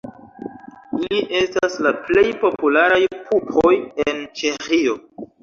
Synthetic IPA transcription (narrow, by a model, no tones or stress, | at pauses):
iliʔe̞staslaplejpo̞pulaɾajkʰupʰojent͡ʃexio̞